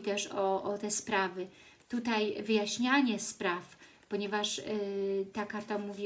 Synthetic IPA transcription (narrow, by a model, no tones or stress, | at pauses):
t̪ɛʂɔʔɔt̪ɛspɾavɘ | t̪ut̪ajvɘjaɕɲaɲɛspɾaf | pɔɲɛvaʂ | t̪akaɾt̪amuvʲi